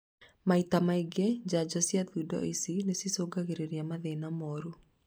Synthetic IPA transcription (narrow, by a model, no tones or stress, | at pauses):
mait̪amaeɡɛd͡ʒad͡ʒɔsiaðudɔ̰isinesisoɡaɣeɾeɾiamaðenamɔɾu